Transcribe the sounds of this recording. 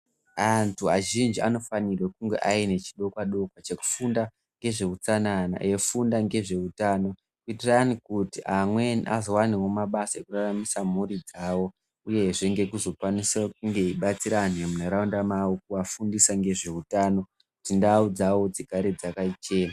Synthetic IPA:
antʰuaʒind͡ʒiano̞fanirwekuŋɡe̞̰ʔaine̞t͡ʃi̥ɗo̞kwaɗo̞kwat͡ʃe̞ku̥funda | ŋɡe̞ʐe̞kut͡sanana̰je̞fundaŋɡe̞ʐe̞utaːno̞ | kuitiranikutiʔamwe̞niʔa̰zowaniwo̞maɓasaekuraramisam̤urid͡zaːwo̞ | uje̞ʐeŋɡe̞kuzo̞kwanisak̚uŋɡe̞iɓat͡siɾan̤emuneɾaundamawok̚uʋafundisaŋɡe̞ʐe̞utaːno̞ | kutindaud͡zawo̞d͡zikaɾed͡zakait͡ʃeːma

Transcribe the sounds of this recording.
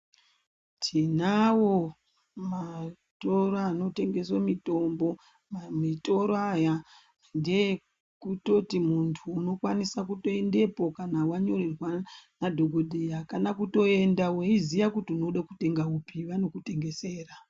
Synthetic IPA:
tʰinawo̞ | ma | to̞ɾoano̞te̞ŋɡe̞swomito̞mbo̞ | mmito̞ɾoaja | nde̞ | kuto̞timuntʰuːno̞kwanisakuto̞e̞nde̞po̞kanawaɲo̞rerwanadʱo̞ɡʱo̞dʱijakanakuto̞e̞ndawizijakutiuno̞ɗakute̞ŋɡaupiʋano̞kute̞ŋɡe̞se̞ːra

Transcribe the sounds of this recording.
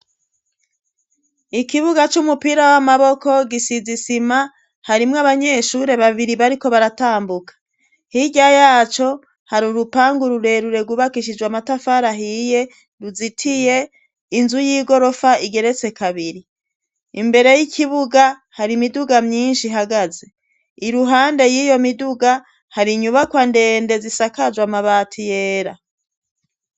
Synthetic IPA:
ikiβuɡat͡ʃumupiːɾawamaβo̞ko̞ɡisizisima | haɾimŋaβaɲe̞ʃuɾe̞βaβiɾiβaɾiko̞βaɾataːmbukḁ | hiɟajaːt͡ʃo̞ | haɾuɾupaːŋɡuɾuɾe̞ɾuɾeɡuβakiʃ̬id͡ʒwamatafaɾaɦije̞ | ɾuzitʰije̞ | inzujiːɡo̞ɾo̞faiɡe̞ɾe̞t͡se̞kaβiɾi | imbe̞ɾe̞jikʰiβuɡa | haɾimiduɡamɲiːnʃiɦaɡaze̞ | iɾuɦaːnde̞jiːjo̞miduɡa | haɾiɲuβakwande̞ːnde̞zisakad͡ʒwamaβaːtʰijeːɾa

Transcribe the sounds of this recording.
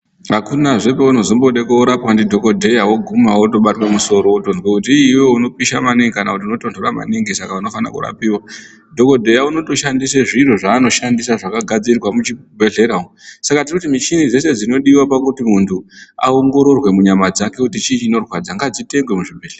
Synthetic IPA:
akunaʐe̞peuno̞zomboɗekouɾapwandidʱo̞ko̞dʱe̞jawoɡʱumawoto̞ɓatwemuso̞ɾo̞otond͡zwekut̬iiweuno̞piʃamaniŋɡikanakutiuno̞to̞ntʰo̞ɾama̰niŋɡisakauno̞fana̰kṵɾa̰piwa | dʱo̞ko̞dʱe̞jauno̞to̞ʃandiseʐiroʐaːno̞ʃandisaʐakaɡʱad͡zirwamut͡ʃibʱe̞ɮe̞ɾaosakatirikutimit͡ʃinid͡ze̞se̞d͡zino̞ɗiwapakutimuntʰua̰oŋɡo̞ɾo̞rwe̞muɲamad͡zake̞kutit͡ʃit͡ʃiːno̞rwad͡zaŋɡad͡zite̞ŋɡwe̞muʐibʱe̞ɮer

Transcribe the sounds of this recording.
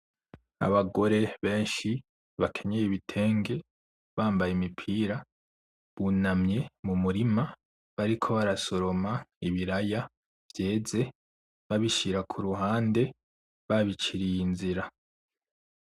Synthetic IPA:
a̰βaɡo̞ɾe̞βe̞ːnʃi | βakʰe̞ɲejeβitʰe̞ːŋɡe̞ | βaːmbajemipʰiːɾa | βunamɲe̞mumuɾima | βaɾikʰo̞βaɾaso̞ɾo̞maiβiɾaja | v̥je̞ːze̞ | βaβiʃiɾakʰuɾuɦaːnde̞ | βaβit͡ʃiɾijinziɾa

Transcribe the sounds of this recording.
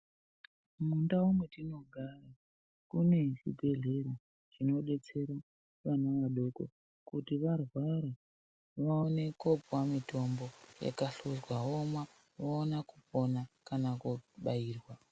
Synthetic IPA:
mundaumwetino̞ɡʱara | kune̞ʐḭbʱe̞ɮe̞ɾo | t͡ʃino̞ɗe̞t͡se̞ɾa | ʋanaʋaɗo̞ko̰ | kutiʋarwaɾa | ʋaone̞kopwamito̞mbo̞ja̰kaɬuzwaɦoma | ʋoonakupo̞nakanakuɓaiːrwa

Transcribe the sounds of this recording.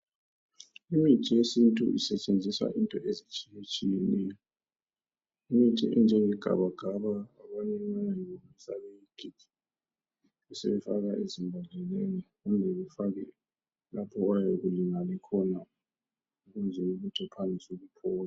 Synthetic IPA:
imitʰʼɛjesintʼṵʔḭsɛt͡ʃʼend͡zʱiswa̰ʔintʼɔʔezit͡ʃʼijet͡ʃʼijɛnɛjɔ | imitʰʼɛ̰ʔɛ̰nd͡ʒʱɛwɛɡ̥ʱa̰βaɡ̥ʱaβaːβanɛanaiomisa̰βɛjiɡ̥ʱiɡ̥i | ɛsḛβɛfa̰ɣaʔezimbʱanʱɛleniɣumʱɛβɛfaɣɛ | lapʰɔajoɣuliŋalɛkʰɔna | uɣunzʱɛuɣutʰɛpʰanʱisuɣupʰɔːl

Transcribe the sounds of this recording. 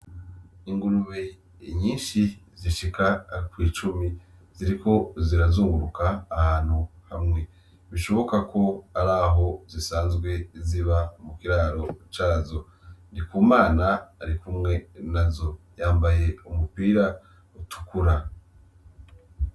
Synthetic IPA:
iŋɡuɾuβe | ɲiːnʃi | ziʃikakwiːt͡ʃumi | ziɾikʰo̞ziɾazuːŋɡuɾukaːhaːn̥huhamŋe̞ | βiʃo̞βo̞kakʰo̞aɾaɦo̞zisaːnzɡwe̞ziβamukiɾaːɾo̞t͡ʃaːzo̞ | ndikuːmaːnaːɾikumŋe̞nazo̞jaːmbaje̞umupiːɾa | utʰu̥kuɾa

